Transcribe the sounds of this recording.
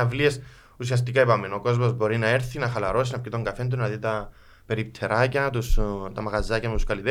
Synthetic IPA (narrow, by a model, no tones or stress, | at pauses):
ɐvlies | usiɐs̬t̪ikɐepɐmenoko̞zmozbo̞ɾinɐe̞ɾθinɐxɐlɐɾo̞sinɐpcit̪o̞ŋɡɐfe̞nd̪̬unnɐðit̪ɐ | pe̞ɾip̚t̪ʰeɾɐcɐt̪ust̪ɐmɐɣɐzːɐcɐmet̪uskɐlit̪e